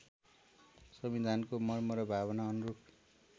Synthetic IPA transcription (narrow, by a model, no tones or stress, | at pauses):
sʌmid̪ʱankomʌrmʌɾʌbʱaβʌnaʌnuruk